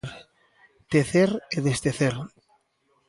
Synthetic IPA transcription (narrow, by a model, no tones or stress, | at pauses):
ɾ | t̪eθeɾeðest̪eθeɾ